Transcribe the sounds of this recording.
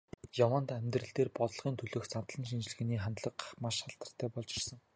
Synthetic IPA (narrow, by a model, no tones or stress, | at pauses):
jawaːnt̪æmʲt̪rɘ̆ɮt̪eːrpɔt̪ɞ̆ɮʁiːnt̪ʰɵɮɵ̆ːxt͡san̥t̪ɮə̆nʃ̬int͡ɕɪ̆ɮ̆ɣɘ̆niːχant̪ɮə̆qmaʃχaɬt̪ə̆r̥t̪ʰæːpɔɮt͡ɕɪrsə̆ŋ